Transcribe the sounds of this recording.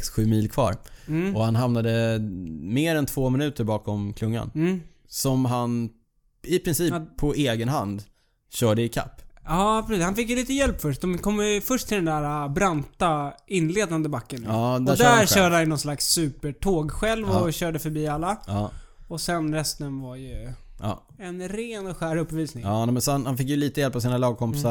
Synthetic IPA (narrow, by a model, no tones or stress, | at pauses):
ksɧʉ̟ːmiːlkʰvɑ̰ːɾɔhanɦamnad̪ə | meːɾɛnt̪ʰv̥oːmɪnʉ̟ːt̪əɾbɑːkɔmkʰlɵŋːa̰nː | sɔmɦan | ɪpʰɾɪnsiːpʰːɔeːɡənɦa̰nd̪ | ɕœːɖəɪkʰa̰pːɑːpʰɾɛsiːshanfɪkjɵliːt̪əjɛlpːfœʂd̪ɔmkʰɔmːfœʂʈt̪ʰɪld̪ɛnd̪æːɾabɾant̪aɪnːleːd̪and̪əbakːənːd̪æd̪æɾɕœːɖəhanjənɔnslaksːʉ̟ːpəʈʰoːɡɧɛlvɔɕœːɖəfœɾbiːalːaɑ | ɔsɛnɾɛst̪ənvaɾjɵ | ɛnɾeːnɔɧæːɾɵpːviːsnɪŋːnɛmɛnsɔhanhanfɪk̬jɵliːt̪əjɛlpːɔsiːnalɑːɡ̚kʰɔmpɪsa